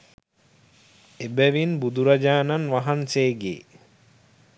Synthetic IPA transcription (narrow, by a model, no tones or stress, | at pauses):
ebæʋinbud̪uɾad͡ʒaːnanʋaɦanseːɡḛː